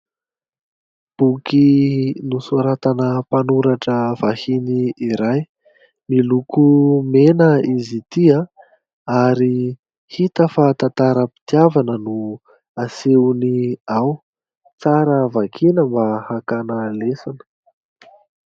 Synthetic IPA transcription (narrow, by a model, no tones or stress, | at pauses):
b̥ukinusuɾat̪anəpanuɾaʈ͡ʂəv̥ahiniiɾaj | milukumenəizit̪ia | aɾi | hit̪əfat̪at̪aɾəpi̥t̪iavanənu | aseniaw | t͡saɾəvakʰinəmbahakanəlesanə̥